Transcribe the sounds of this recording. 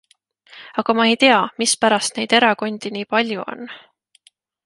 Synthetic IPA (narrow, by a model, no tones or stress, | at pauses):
ɑɡ̥ɑmɑe̞jt̪e̞ɑmispæɾɑst̪ne̞jd̪̥e̞ɾɑko̞nʲd̪̥iniːpɑlʲjuo̞̰nː